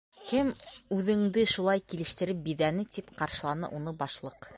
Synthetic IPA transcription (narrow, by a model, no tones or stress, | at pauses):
kɘmʉðɘ̆ŋd̪ɘʃulˠɑjkilɘ̆ʃt̪ɘ̆ɾɘp̚biðænɘt̪ipqɑɾʃɤ̆lˠɑnɤ̰ʔunɤbɑʃlˠɤq